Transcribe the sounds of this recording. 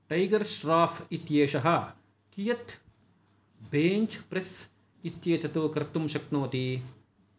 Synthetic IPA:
ʈɐjɡɐɾʃɾaːfʰit̪jeːʃɐɦɐ̆ | kijɐt̪ | beːɲt͡ʃpɾes | it̪jeːt̪ʰɐt̪ukɐɾt̪ːumʃɐknoːt̪i

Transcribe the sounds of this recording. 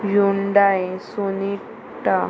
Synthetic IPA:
juɳɖaesoni | ʈːa

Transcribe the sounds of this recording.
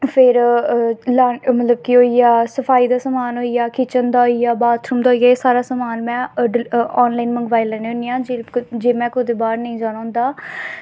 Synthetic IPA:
pʰɪɾ | laːmət̪ləbkɪɦoːiaːsəfʰaːiːd̪aːsamaːnɦoːijaːkɪːt͡ʃənd̪aːɦoijaːbaːt̪ʰɾuːmd̪aːɦoːiaːeːsaːɾaːsamaːnmɛ̃ːəɔːnlaːinməŋɡʋaːiːlɛːneːɦʊnɪjãːd͡ʒed͡ʒeːmɛ̃ːkʊd̪eːbaːɾnəĩːd͡ʒaːnãːʊ̃nd̪aː

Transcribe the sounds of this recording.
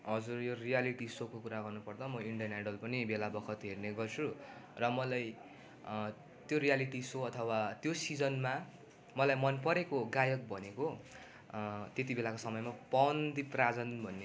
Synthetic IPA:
ɦʌd͡zurjorijaliʈisokokuɾaɡʌrnupʌrd̪ʌmʌiɳɖijʌnaɖʌlpʌnibelabʌkʰʌt̪ɦerneɡʌrt͡sʰurʌmʌlaj | t̪joɾijaliʈisoʌt̪ʰʌwat̪josid͡zʌnma | mʌlajmʌnpʌɾekoɡajʌk̚bʱʌneko | t̪et̪̬ibelakosʌmʌjmapʌnd̪iprad͡zʌnbʱʌnːe

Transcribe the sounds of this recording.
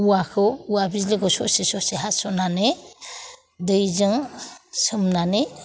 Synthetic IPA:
uwakʰɯuwabizliɡɔsɔ̰sesɔseɦasɔnanɯ | dɯjzɯŋsɯmnanɯ

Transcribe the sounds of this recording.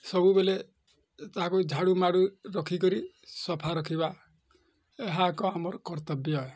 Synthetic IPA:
sɔbubele | t̪aɦãkud͡ʒʱaɽumaɽuɾɔkʰikɔɾi | sɔpʰaɾɔkʰiba | eɦakɔamɔɾɔkɔɾt̪ɔbjɔe

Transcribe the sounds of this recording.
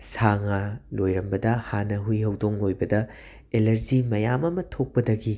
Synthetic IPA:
saŋalojɾɐmbɐdɐhanːɐɦujɦɐwdoŋlojbɐdɐ | elɐɾzimɐjamɐmɐtʰok̚pɐdɐɡi

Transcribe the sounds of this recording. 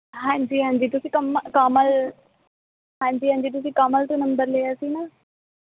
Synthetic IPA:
ɦãːɲd͡ʑiːɦãːɲd͡ʑiːt̪ʊsĩkɐmkaːməl | ɦãːɲd͡ʑiːɦãːɲd͡ʑiːt̪̬ʊsĩkaːməlt̪ũnɐ̃mbəɾleaːsina

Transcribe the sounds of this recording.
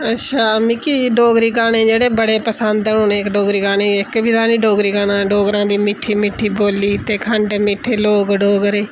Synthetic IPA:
ətːʰaːmĩːkiɖoːɡɾiːɡaːɽẽːd͡ʒeːɽeːbəɽeːpəsənd̪oːneːkɖoːɡɾiːɡaːɽeːɪkbiːd̪aːniːɖoːɡɾiːɡaːɽãːɖoːɡɾãːd̪iːmɪʈʰːiːmɪʈʰːiːboːliːt̪eːkʰəɳɖmɪːʈʰeːloːɡɖoːɡɾeː

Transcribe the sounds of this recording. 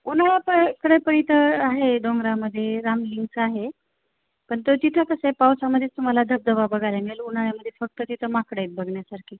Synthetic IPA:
unaɭjapəkəɽəjpəɳit̪əaɦed̪oŋɡɾaməd̪ʱːjeɾamliŋɡt͡saɦe | pəɳt̪od͡ʑit̪ʰəkəsepawsaməd̪ʱːet̪um̤alad̪ʱəb̚d̪ʱəʋabəɡʱaljamiɭelunaɭjaməd̪ʱːjefək̚t̪ət̪it̪ʰəmakɽəjt̪̚bəɡɳjasaɾkʰiː

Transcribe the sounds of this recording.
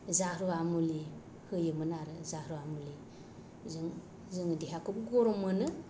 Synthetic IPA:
zahɾuamuli | hɯjɯmɯnaɾɯzahɾuamuli | zɯŋ | zɯŋdiɦakup̚ɡɔɾɔmɯnɯ

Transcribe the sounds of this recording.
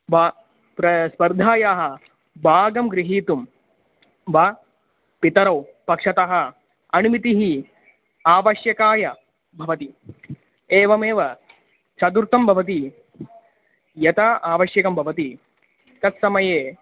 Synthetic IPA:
ʋa | pɾɐspɐɾd̪ʱaːjaːɦɐ̆ | bʱaːɡɐmɡɾiɦiːt̪um | ʋa | pit̪ɐɾɐw | pɐkʂɐt̪aɦɐ̆ | ɐnumit̪iɦi | aːʋɐʃjɐkaːjɐ | bʱɐʋɐt̪i | eːʋɐmeːʋɐ | t͡ʃɐd̪uɾt̪ɐmbʱɐʋɐt̪̬i | jɐt̪aʔaːʋɐʃjɐkɐmbʱɐʋɐt̪i | t̪ɐt̪sɐmɐjeː

